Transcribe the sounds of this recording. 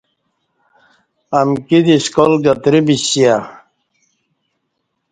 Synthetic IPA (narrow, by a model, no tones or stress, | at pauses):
ɐmkid̪iskolɡɐt̪ɾibiɕija